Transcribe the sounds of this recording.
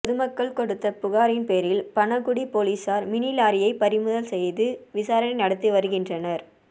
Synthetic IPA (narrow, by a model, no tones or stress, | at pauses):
pɔðɯmɐkːɐɭkɔɽɯt̪ːɐpʊɣaːɾɪnpeːɾɪlpɐnɐɣʊɽipoːliːsaːɾmɪnilaːɾɪjɐɪpɐɾɪmɯðɐlsɛjðɯʋɪsaːɾɐnɐɪnɐɽɐt̪ːɯʋɐɾɯɣɪndrɐnɐɾ